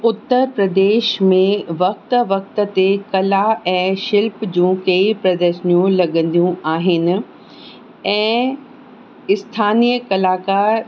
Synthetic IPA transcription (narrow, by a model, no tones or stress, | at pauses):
ʊt̪ːəɾpɾɐd̪eːʃmẽʋɐk̚t̪ʋɐk̚t̪̆t̪ekɐlaɛ̃ːʃɪlpd͡ʑũːkɐipɾɐd̪əɾʃənijũlɐɠə̃n̆d̪ijũaːɦɪnɪ̆ | ɛ̃ː | ɪst̪ʰaːnijəkɐlaːkaːɾ